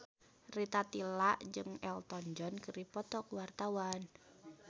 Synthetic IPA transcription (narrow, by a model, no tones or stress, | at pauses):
rit̪at̪ilaʔd͡ʒɨŋɛlt̪ɔnd͡ʒɔnkəɾipɔt̪ɔkuwart̪awan